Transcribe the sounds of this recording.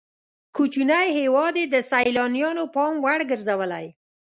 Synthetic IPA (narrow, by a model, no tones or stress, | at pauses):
kut͡ʃunajhewɑd̪ed̪əsajlɑnijɑnopɑmwaɽɡəɾzawəla̰j